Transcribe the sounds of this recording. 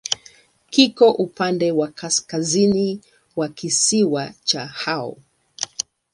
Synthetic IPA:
kikɔʔupandɛwakaskazini | wakisiwat͡ʃahaɔ̰

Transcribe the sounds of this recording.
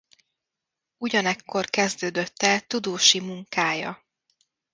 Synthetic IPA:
uɟɒnɛkːo̞rkɛzd̪øːd̪øt̪ːɛlt̪ud̪oːʃimuŋkaːjɒ

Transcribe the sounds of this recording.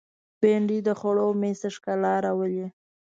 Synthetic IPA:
b̥eɳɖid̪əxʊɽomest̪əʂkalɑɾawəli

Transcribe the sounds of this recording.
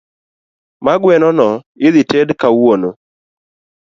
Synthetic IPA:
maɡwɛnɔnɔ | ɪðɪtedkawono

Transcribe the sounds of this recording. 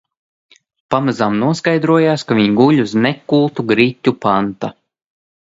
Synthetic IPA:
pamazamnuɔskajd̪ɾuɔjaːskavʲiɲɡuʎʲusnɛkːulˠt̪uɡɾit̪ʲːupant̪a

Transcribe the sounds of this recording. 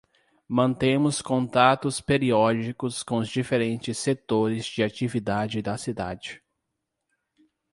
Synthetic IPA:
mɐ̃nt̪ẽmʊskõnt̪at̪ʊspeɾiɔd͡ʒikʊskõʊzd͡ʒifeɾẽnt͡ʃɪsːet̪oɾɪzd͡ʒɪat͡ʃivid̪ad͡ʒɪd̪ɐsid̪a̰d͡ʒɪ

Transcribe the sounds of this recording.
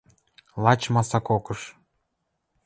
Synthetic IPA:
lˠɑt͡ɕmɑsɑkokɤ̆ʃ

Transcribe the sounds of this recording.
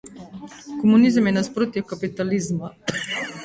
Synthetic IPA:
kɔmunizəmjɛnaspɾoːt̪ikapit̪alizma

